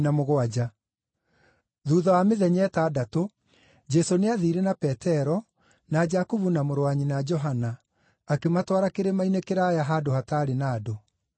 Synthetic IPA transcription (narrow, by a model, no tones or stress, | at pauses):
namoɣoad͡ʒa | ðuːðɔwameðɛɲɛtaːdato | d͡ʒɛsoneaðiɾenapɛtɛɾɔ | nad͡ʒakuβunamoɾowaɲinad͡ʒɔɦanaː | kematwaɾakeɾemainekeɾaːjaɦadohataːɾenaːdo